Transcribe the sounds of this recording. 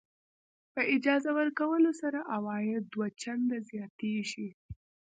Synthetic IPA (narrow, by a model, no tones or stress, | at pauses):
pəʔɪd͡ʒɑzawəɾkawəlosaɾaʔawɑjɪd̪d̪wat͡ʃand̪azjɑt̪eʃi